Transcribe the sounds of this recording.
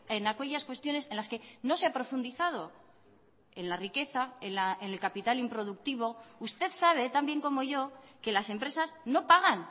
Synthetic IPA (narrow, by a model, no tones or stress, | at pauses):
enakeʎaskwe̞st̪jo̞ne̞sẽnlaske̞no̞seapɾofund̪iθaðo̞ | e̞nlarike̞θae̞nlaene̞lkapit̪alimpɾo̞ð̞uk̚t̪iβo̞ust̪e̞ðsaβ̞e̞t̪ambje̞ŋko̞mo̞ʝo̞ke̞lase̞mpɾe̞sasno̞paɣ̞an